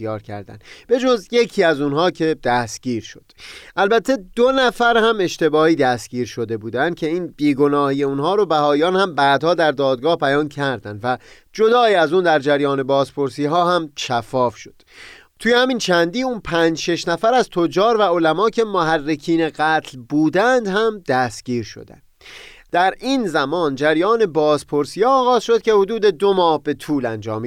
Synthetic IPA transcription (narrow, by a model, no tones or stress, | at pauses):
jɒːɾkcʰæ̰ɾd̪æ̰nb̥e̞d͡ʒo̞zje̞cʰiːæzunɦɒːcʰe̞d̪̥æst̪ɟ̥iːɾʃo̞d̪̥ʔælbæt̪ʰːe̞d̪̥onæfæɾhæme̞ʃt̪e̞bɒːhiːd̪æst̪ɟ̥iːɾʃo̞d̪e̞buːd̪ænd̪̥̚kcʰe̞iːnb̥iːɡo̞nɒːhiːjeunhɒːɾobæhɒːjɒːnhæmbæːd̪hɒːd̪æɾd̪ɒːd̪̚ɡɒːhpæjɒːncʰæɾd̪ænd̪væ | d͡ʒo̞d̪ɒːiæzuːnd̪æɾd͡ʒæɾjɒːne̞bɒːzpʰo̞ɾsiːɦɒːhæmʃæfɒːfʃo̥d̪̥ | t̪ʰuːjehæmint͡ʃʰænd̪iːuːnpʰænd͡ʒʃeʃnæfæɾæzt̪ʰod͡ʒɒːɾvæo̞læmɒːcʰe̞moɦærːekʰiːneɢæːt̪ʰlbuːd̪ænd̪hæmd̪̥æst̪ɟ̥iːɾʃo̰d̪æ̰ndd̪̥æɾiːnzæmɒːnd͡ʒæɾjɒːne̞bɒːzpʰo̞ɾsiːhɑːɣɒːz̥ʃod̪̥̚cʲʰe̞hod̪uːd̪e̞d̪omɒːhbe̞t̪ʰuːlænd͡ʒɒ̰ːmi